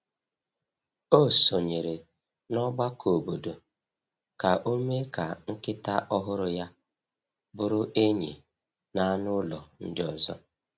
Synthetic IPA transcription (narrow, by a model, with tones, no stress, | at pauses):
o˦˨so˨ɲe˨ɾe˨ | nɔ˦ɡ͡ba˦kʰo˨bo˨do˨ | ka˨ʔo˦me˦ka˨ŋ̩˦kɪ˦ta˦ʔɔ˦ɦʊ˦ɾʊ˨ja˦ | bʊ˨ɾʊ˦ʔe˦ɲḛ˨ | na˦nʊ˦lɔ˨n̩˦dɪ˦ɔ˨zɔ˦